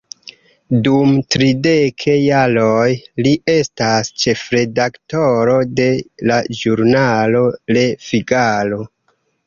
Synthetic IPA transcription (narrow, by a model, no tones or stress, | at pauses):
dumtɾide̞kʰe̞jalojlie̞stast͡ʃe̞fɾe̞dakto̞ɾo̞de̞laʒuɾnalo̞lefiɡalo̞